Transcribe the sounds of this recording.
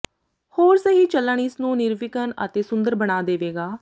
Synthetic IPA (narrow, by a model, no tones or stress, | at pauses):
hoːɾsəɦiːt͡ʃələɳ̃iːsnũːnɪɾʋɪkənə̰t̪eːsʊnd̪əɾbəɽaːd̪eːʋeːɡaː